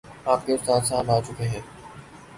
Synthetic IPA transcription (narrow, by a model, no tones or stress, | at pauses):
aːpkeɪɾt̪aːɾsãːlaːt͡ʃʊkeːɦɛː